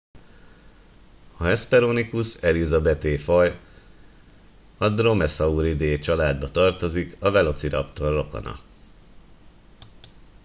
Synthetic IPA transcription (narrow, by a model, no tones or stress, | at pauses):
ɒɛspɛɾoːnikusɛlizɒbɛt̪eːfɒj | ɒd̪ro̞mɛsɒuɾid̪eːt͡ʃɒlaːd̪bɒt̪ɒrt̪o̞zikɒvɛlo̞t̪siɾɒ̰pt̪orːo̞ko̞̰nɒ̰